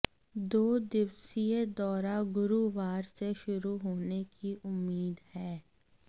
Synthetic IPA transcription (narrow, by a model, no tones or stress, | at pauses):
d̪oːd̪ɪʋsied̪ɔːɾaɡʊɾuʋaːɾseʃʊɾuɦoːnekiʔʊmːiːd̪hɛː